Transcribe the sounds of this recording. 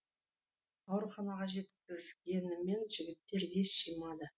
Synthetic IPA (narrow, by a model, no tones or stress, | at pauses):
ɑwɾχɑnɑʁɑʒe̞t̪kʲɪzɡʲe̞nɪme̞nʒɪɡʲɪt̪ːe̞ɾje̞sʃijmɑd̪ə